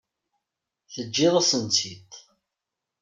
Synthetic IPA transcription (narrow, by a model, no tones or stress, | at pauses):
θəd͡ʒːiðˤasənt͡sit̪